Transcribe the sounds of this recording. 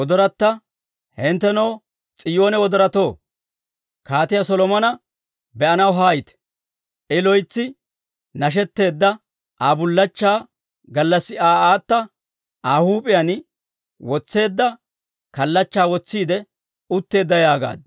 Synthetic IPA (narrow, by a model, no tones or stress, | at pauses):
wɔd̪ɔɾɐt̪ːɐ | hɛnt̪ːɛnɐw | t͡sʼɪjoːnɛwɔd̪ɔɾɐt̪o̞ː | kaːt̪ɪjasɔlɔmɐnɐ | bɛʔɐnɐwɦaːjɪt̪ɛ̥ | ʔɪlɔjt͡sːɪ | nɐʃ̬ɛt̪ːe̞ːd̪ːɐ | ʔaːbʊlːɐt͡ʃːaː | ɡɐlːɐsːɪaːaːt̪ːɐ | ʔaːhuːpʼɪjan | wɔt͡sːe̞ːd̪ːɐ | kɐlːɐt͡ʃːaːwɔt͡sːiːd̪ɛ | ʊt̪ːe̞ːd̪ːɐjaːɡa̰ːd̪̚